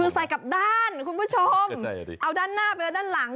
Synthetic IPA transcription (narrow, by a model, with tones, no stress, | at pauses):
ɯ˧sa˨˧˦jka˨˩p̚daː˧˥˩nkʰu˧npʰuː˧˥˩t͡ɕʰo˧mʔa˧˩wdaː˧˥˩nːaː˥˩beː˧daː˧˥˩nla˨˩˦ŋ